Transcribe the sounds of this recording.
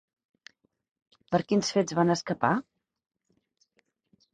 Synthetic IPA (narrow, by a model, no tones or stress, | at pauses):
pəɾkinsfed͡zzβanəskəpa